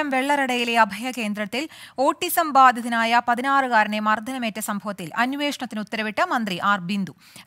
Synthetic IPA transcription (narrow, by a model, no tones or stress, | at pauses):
ɐmʋeɭːɐɾɐɽɐjileɐbʱɐjɐke̞ːnd̪ɾɐt̪ːilo̞ːʈːisɐmbaːd̪ʱɐðinaːjɐpɐðinaːrɨkaːɾɐɳemɐrd̪ʱɐnɐmeːtːɐsɐmbʱɐʋɐt̪ːilɐnːʋeːʂɐɳɐt̪ːinut̪ːɐɾɐʋiʈːɐmɐnd̪riʔaːrbind̪u